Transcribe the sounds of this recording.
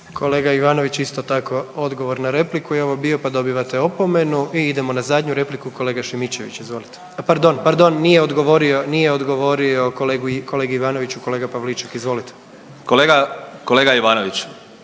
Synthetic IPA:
kʰo̞leːɡaiʋaːno̞ʋit͡ɕist̪o̞t̪ako̞o̞d̪ɡo̞ʋo̞ɾnaɾe̞plikujeo̞ʋobio̞pad̪o̞biʋat̪e̞opo̞me̞nuiid̪e̞mo̞nazad̪ɲuɾe̞plikuko̞le̞ːɡaʃimit͡ɕe̞ʋḭt͡ɕizʋo̞ːlit̪e̥paɾd̪o̞npaɾd̪o̞nːijeod̪ɡoʋo̞ɾionijeod̪ɡo̞ʋo̞ɾio̞keɡuko̞leːɡiiʋaːno̞ʋit͡ɕuko̞le̞ːɡapaʋlit͡ʃakizʋo̞lit̪e | koleːɡakoleɡaiʋaːnoʋit͡ɕ

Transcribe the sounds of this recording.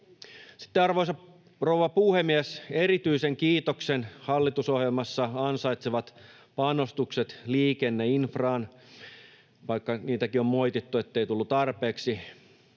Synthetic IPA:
si̥t̪ːeɑrʋoisɑp | rowʋɑpuhemiæseɾit̪yiseŋkiːt̪oksenhɑlːit̪uso̞hjelmɑsːɑɑnsɑjt̪seʋɑt̪ | pɑno̞st̪ukset̪liːkenːeinfrɑːn | ʋɑikːɑniːt̪ækio̞mmo̞jt̪it̪ːuet̪ːejt̪ulːut̪ɑrpe̞ːksi

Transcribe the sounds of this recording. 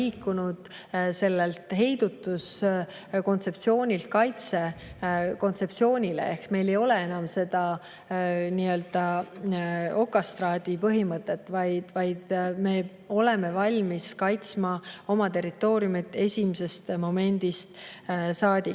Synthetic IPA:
iːkːunud̪̥ | se̞lːelt̪ɦe̞jd̪̥ut̪ːˑus | ko̞nt̪se̞pt̪sio̞ːnʲilt̪̚kɑjt̪se̞ | ko̞nt̪se̞p̚tsio̞ːnʲilḛehksme̞jle̞jo̞le̞e̞nɑmse̞d̪̥ɑ | niːø̞ld̪̥ɑ | o̞kːˑɑst̪rɑːd̪̥ipɤɦimɤt̪ːˑe̞t̪ːˑvɑjd̪̥vɑjd̪̥me̞ | o̞le̞me̞vɑlʲmiskɑjt̪smɑo̞mɑt̪e̞rit̪ːˑo̞ːɾijumit̪ːˑe̞sʲimese̞st̪mo̞me̞nʲd̪̥ist̪sɑːd̪̥ʲi

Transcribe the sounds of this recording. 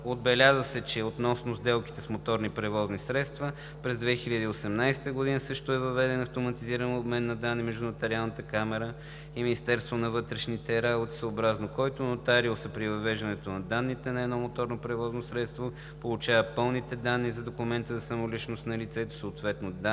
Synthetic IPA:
od̪̚bɛlʲazəsɛt͡ʃɛot̪nɔsnozd̪ɛlˠki̥t̪ɛsmot̪ɔɾnipɾɛvɔznisɾɛt̪st̪və | pɾɛzd̪vɛxiʎʲəd̪əiosɛmnajsɛ̥t̪əɡod̪inəsɤʃt̪oɛvɐvɛd̪ɛnɐft̪omɐt̪iziɾənobmɛnːɐd̪anːimɛʒd̪unɐt̪ɛɾialˠnət̪əkamɛɾə | iminist̪ɛɾst̪vonɐvɤt̪ɾɛʃnit̪ɛɾabot̪i̥səobɾaznokɔjt̪onot̪aɾiosɛpɾivɐvɛʒd̪ɐnɛt̪onɐd̪anːit̪ɛnɐɛd̪nɔmot̪ɔɾnopɾɛvɔznosɾɛt̪st̪vo | polˠut͡ʃavəpɤlˠnit̪ɛd̪anːizɐd̪okumɛnt̪əzɐsɐmolit͡ʃnost̪nɐlit̪sɛt̪o̥soːt̪vɛt̪nod̪a

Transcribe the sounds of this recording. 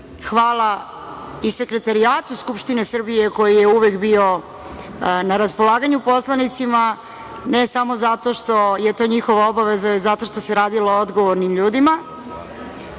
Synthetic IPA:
xʋaːlˠa | ise̞kɾe̞t̪aɾiaːt̪uskupʃt̪ine̞sr̩bije̞ko̞jije̞uʋe̞kbio̞ | naɾaspo̞lˠaːɡaɲupo̞slˠanit̪sima | ne̞samo̞zat̪o̞ʃt̪o̞jet̪o̞ːɲixo̞ʋao̞baʋe̞zazat̪o̞ʃt̪o̞se̞ɾaːd̪ilood̪ɡo̞ʋoɾnimʎuːd̪ima

